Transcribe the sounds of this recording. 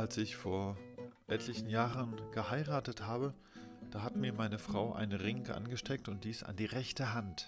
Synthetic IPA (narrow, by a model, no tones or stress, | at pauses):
ʔalsɪçfoːɐʔɛtʰlɪçn̩jaːʁənɡ̥əhaɪʁaːtəthaːbə | d̥aːɦatmiːɐmaɪnəfʁ̥aʊʔa̰ɪnənʁɪŋkʔa̰nɡəʃtʰɛk̚tʊnt̚d̥iːsa̰ndiːʁɛçtəɦant